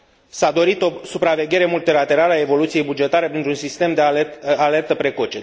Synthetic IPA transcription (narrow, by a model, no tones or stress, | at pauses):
sad̪o̞ɾit̪o̞supɾave̞ɡʲe̞ɾe̞mult̪ilat̪e̞ɾaləae̞vo̞lut̪sije̞jbud͡ʒe̞t̪aɾe̞pɾint̪ɾunsist̪e̞md̪eale̞rt̪əpɾe̞ko̞t͡ʃe